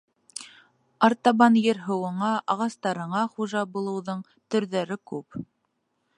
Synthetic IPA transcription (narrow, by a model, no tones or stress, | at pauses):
ɑɾt̪ɑβɑnjɘ̆ɾɦɤ̆wɤ̆ɴɑʔɑʁɑst̪ɑɾɤ̆ɴɑχuʒɑbulˠɤ̆wðɤɴ | t̪ɵ̆ɾðæɾɘkʉp